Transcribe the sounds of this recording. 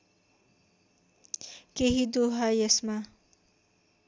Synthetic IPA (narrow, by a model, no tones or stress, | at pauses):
keɦid̪oɦajesma